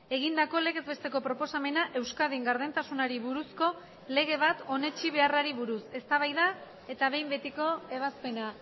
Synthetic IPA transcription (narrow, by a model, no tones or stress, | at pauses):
e̞ɣ̞ind̪ako̞le̞ɣe̞zβe̞st̪e̞ko̞pɾo̞po̞same̞naʔe̞wskaðiŋɡaɾðent̪asunaɾiβuɾusko̞ | le̞ɣ̞e̞β̞at̪o̞ne̞t͡ʃiβe̞araɾiβuɾuse̞st̪aβajða | e̞t̪aβe̞jmbe̞t̪iko̞e̞βaspe̞na